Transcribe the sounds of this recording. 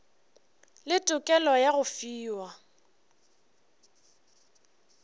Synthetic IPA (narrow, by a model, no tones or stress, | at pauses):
lɪtʼʊkʼɛlɔjaɣʊfiːwa